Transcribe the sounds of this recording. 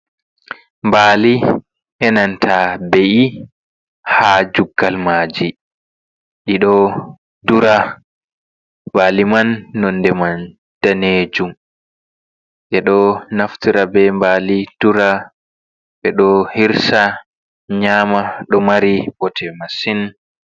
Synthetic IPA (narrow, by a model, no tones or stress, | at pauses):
mbaːli | ʔɛnantʰabeʔi | had͡ʒuɡːalmaːd͡ʒi | ɗiɗɔ | duɾa | waːlimanːɔndɛman | d̥aned͡ʒum | ʔɛɗɔnaftiɾabɛmbalid̥uɾa | ɓɛɗɔhiɾsa | ɲaːmaɗɔmaɾibɔtʰɛmasin